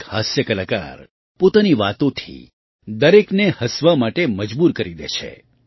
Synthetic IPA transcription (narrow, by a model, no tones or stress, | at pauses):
hasjəkəlaka̰ɾ | pot̪aniʋat̪õt̪ʰḭ | d̪əɾeknehəsʋamaʈeməd͡ʒbuɾkəɾid̪ḛʃʰḛ